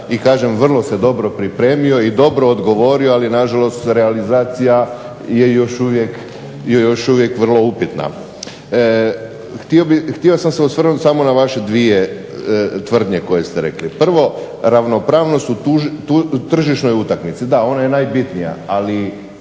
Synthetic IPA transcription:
ikaːʒe̞mʋr̩lˠo̞se̞d̪o̞bɾo̞pɾipɾe̞ːmijo̞id̪o̞bɾo̞ːd̪ɡo̞ʋo̞ɾioalinaʒalˠo̞st̪ɾealizaːt̪sija | je̞jo̞ʃuʋje̞k | jojoʃuʋje̞kʋr̩lˠo̞upit̪na̰ | xt̪iobixt̪iosamseusʋr̩nut̪samo̞naʋaʃe̞d̪ʋie̞ | t̪ʋr̩d̪ɲe̞ko̞je̞st̪eɾḛklipr̩ʋo̞ | ɾaʋno̞pɾaːʋno̞st̪uuʒuut̪r̩ʒiʃno̞jut̪akmit̪sid̪ao̞naje̞najbit̪nija̰ali

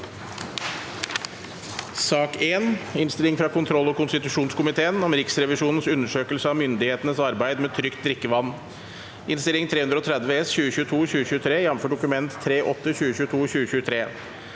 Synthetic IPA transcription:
sɑːkeːnɪnst̪ɪlɪŋfɾɑːkʰʊnt̪ʰɾɔlːɔkʊnst̪ɪt̪ʉʂuːnskʊmɪt̪ʰeːənɔmɾɪksɾɛʋɪʂuːnn̩sʉnːəʂøːkəlsəɑːmʏnd̪ɪheːt̪ənəsɑɾbæɪd̪mɛːt̪ʰɾʏkt̪̚d̪ɾɪkːəʋɑnː | ɪnst̪ɪlɪŋt̪ʰɾeːhʉnd̪ɾɔːt̪ʰɾɛd̪ʋəɛsçʉːəɕʉːt̪ʰuːɕʉːəɕʉːət̪ʰɾeːjɛmføːɖʊkʉmɛnt̪ʰːɾeːʔɔt̪ːəçʉːəɕʉːt̪ʰuːçʉːəɕʉːət̪ʰɾeː

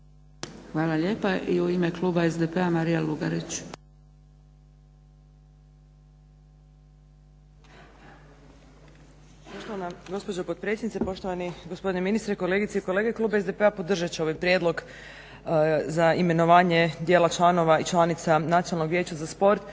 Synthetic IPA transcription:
xʋaːlaʎeːpaʔiuimekluːbaezd̪epeamaɾijaluɡaɾit͡ɕ | poʃt̪oanaɡo̞spod͡ʑopot̪̚pɾe̞tsʲjed̪nit̪epo̞ʃt̪o̞ʋaniɡospod̪ineminist̪ɾeko̞le̞ɡit̪seiko̞le̞ːɡeklˠuːbaezepeapo̞d̪r̩ʒat͡ʃeo̞ʋajpɾje̞d̪lˠo̞ɡ | zaime̞no̞ʋaːɲed̪jeːlˠat͡ʃlˠano̞ʋait͡ʃlˠanit̪sanat̪ijonalno̞ɡʋje̞ːt͡ɕazaspo̞ɾt̪

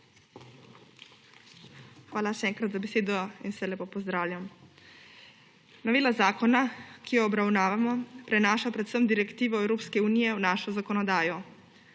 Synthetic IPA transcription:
xʋaːlaʃɛɛːŋkɾat̪zabeseːd̪ɔinsɛlepopɔzd̪ɾaːwlʲjam | nɔʋiːlazaːkɔnakijɔːbɾawnaːʋamɔpɾɛnaːʃapɾɛt̪səmd̪iɾɛkt̪iːʋɔɛwɾoːpskɛuːnijɛuwnaːʃɔzakɔnɔd̪aːjɔ

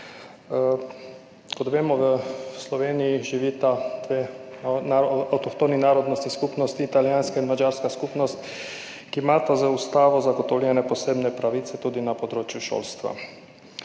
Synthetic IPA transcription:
kɔt̪ʋeːmɔʋəslɔʋeːnijiʒiʋiːt̪ad̪ʋenaawt̪ɔkt̪oninaːɾɔd̪nɔst̪iskupnɔst̪iːt̪aljaːnskainmad͡ʒaːɾskaskupnɔst̪ | kimat̪azaust̪aːʋɔzaɡɔt̪ɔwljɛnɛpɔseːbnɛpɾaʋiːt̪sɛt̪ud̪inapod̪ɾoːt͡ʃjuʃo̰ːlst̪ʋa̰

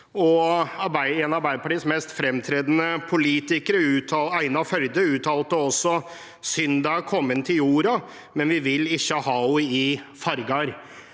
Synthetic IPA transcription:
ɔɑɾbæɪɛnɑɾbæɪd̪əpʰɑʈiːsmɛst̪fɾɛmt̪ʰɾeːd̪ənəpʰʊliːt̪ɪkəɾəʉːt̪ʰɑæɪnɑfœld̪əʉːt̪ʰɑːlt̪əɔsːɔ | sʏnd̪ɑkʰɔmːənt̪ʰɪljuːɾɑ | mɛnʋɪʋɪlɪçːəhɑːɔɪfɑɾɡɑɾ

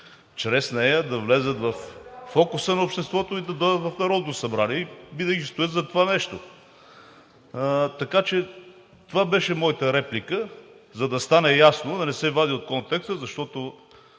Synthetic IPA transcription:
t͡ʃɾɛsnɛjəd̪ɐvlɛzət̪vɐfːɔkʊsənɐopʃt̪ɛst̪vɔt̪oid̪ɐd̪ɔd̪ət̪vɐfnɐɾɔd̪nosɐbɾaniɛibid̪əɡist̪ʊjɛt̪zɐt̪ovanɛʃt̪o | t̪ɐkat͡ʃɛ | t̪ovabɛʃɛmɔjit̪əɾɛplikə | zɐd̪ɐst̪anɛjasnod̪ɐnɛsɛvad̪iot̪̚kɔnt̪ɛkst̪əzɐʃt̪ɔt̪o

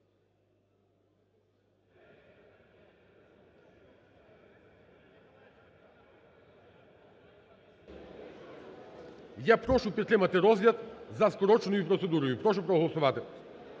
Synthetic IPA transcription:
japɾɔʃupɾɛt̪ɾɛmat̪ɛɾɔzjat̪zaskɔɾɔt͡ʃnujupɾɔt̪sɛd̪uɾujupɾɔʃupɾɔɦlˠɔsuvat̪ɛ

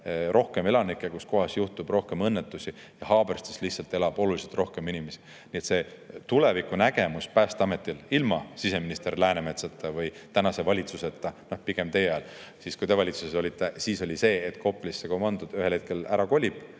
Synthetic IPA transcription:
rʔo̞hke̞me̞lɑnikːˑekusko̞ɦɑsjuht̪ub̥ro̞hke̞mɤnːet̪ːusi | jɑhɑːb̥erst̪e̥slihtsɑlt̪e̞lɑb̥o̞luliset̪ro̞hke̞minimesi̥ | nie̞t̪se̞ːt̪ule̞vikːˑunæɡ̥e̞muspæːst̪ɑme̞t̪ːililmɑsise̞minist̪e̞rlæːneme̞t̪sɑt̪ːˑɑvɯjt̪ænɑse̞vɑlʲit̪suset̪ːˑɑno̞hpiɡ̥e̞mt̪e̞jeɑjl | siskujt̪e̞vɑlʲit̪suseso̞lit̪ːˑesiːso̞lʲise̞ːet̪ːkʰo̞pːlisːekomɑnd̪̥ud̪yhelhe̞t̪̚ke̞læɾɑko̞lʲib̥

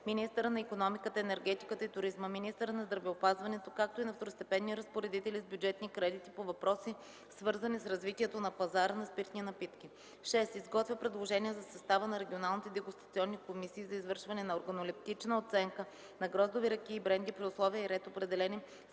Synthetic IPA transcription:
minist̪əɾənɐikonɔmikət̪əɛnɛɾɡɛt̪i̥kət̪əit̪ʊɾizməminist̪əɾənɐzd̪ɾɐvɛopazvɐnɛt̪okak̚t̪oinɐft̪oɾost̪ɛpɛnːiɾɐspoɾɛd̪it̪ɛlizbʲjud͡ʒɛt̪nikɾɛd̪it̪ipovɐpɾɔsi | svɤɾzənisɾɐzvit̪iɛt̪onɐpɐzaɾənɐspiɾt̪ninɐpit̪kʲi | ʃɛst̪izɡɔt̪vʲəpɾɛd̪lˠoʒɛniɛzɐsɐst̪avənɐɾɛɡʲionalˠnit̪ɛd̪ɛɡʊst̪ɐ̥t̪siɔnːikomisiːzɐizvɤɾʃvɐnɛnɐoɾɡɐnolip̚t̪it͡ʃnəot̪sɛŋkə | nɐɡɾɔzd̪oviɾɐk̟iːbɾɛnd̪ipɾiʊslˠɔviəiɾɛt̪opɾɛd̪ɛlɛni

